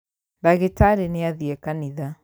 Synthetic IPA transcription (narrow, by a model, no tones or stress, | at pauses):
ðaɣetaɾeneaðiɛkaniða